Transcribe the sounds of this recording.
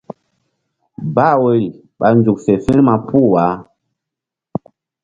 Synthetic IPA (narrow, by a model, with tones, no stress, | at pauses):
ba˦˨wə˦ɾi˨ | ɓa˨n˨zu˨kfe˨fĩ˦ɾma˨pʰu˦˨wa˨˦